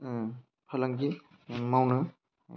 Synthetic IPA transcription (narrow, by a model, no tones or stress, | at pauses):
pʰɐlaŋki | mawnɯ